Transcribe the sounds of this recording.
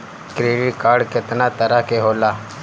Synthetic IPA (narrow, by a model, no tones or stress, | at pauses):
kɾeːɖɪʈkaːɾɖkɪt̪nat̪əɾakeɦoːlaː